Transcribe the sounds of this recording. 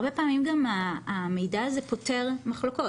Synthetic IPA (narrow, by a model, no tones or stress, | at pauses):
be̞paːmimɡamaame̞jdaazepo̞te̞ʁmaχloko̞